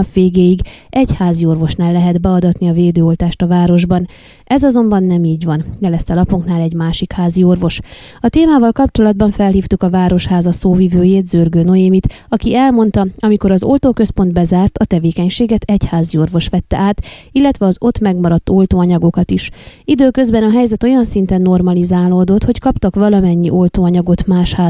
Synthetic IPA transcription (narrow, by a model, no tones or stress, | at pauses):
pʋeːɡeːjiɡʔɛɟhaːzio̞rvo̞ʃnaːlːɛɦɛd̪bɛɒd̪ɒt̪niɒveːd̪øːo̞lt̪aːʃt̪ɒvaːɾo̞ʒbɒn | ʔɛzɒzo̞mbɒnːɛmiːɟʋɒnjɛlɛst̪ɛlɒpuŋknaːlɛɟmaːʃikhaːzio̞rvo̞ʃ | ɒt̪eːmaːvɒlkɒp̚t͡ʃo̞lɒd̪̚bɒɱfɛlɦiːft̪ukɒvaːɾo̞ʃhaːzɒsoːvivøːjeːt̪z̥ørɡøːnojemit̪ | ɒkiɛlmo̞nt̪ɒɒmiko̞ɾɒzo̞lt̪oːkø̞spo̞nd̪bɛzaːrt̪ɒt̪ɛveːkɛɲʃeːɡɛt̪ɛchaːzio̞rvo̞ʃʋɛt̪ːɛ̰ʔaːt̪ilːɛt̪ʋɛɒzo̞t̪mɛɡmɒɾɒt̪ːo̞lt̪oːɒɲɒɡo̞kɒt̪iʃid̪øːkø̞zbɛnɒɦɛjzɛt̪o̞jɒnsint̪ɛnːo̞rmɒlizaːloːd̪o̞t̪ho̞ckɒpt̪ɒkʋɒlɒmɛɲːiʔo̞lt̪oːɒɲɒɡo̞t̪maːʃhaː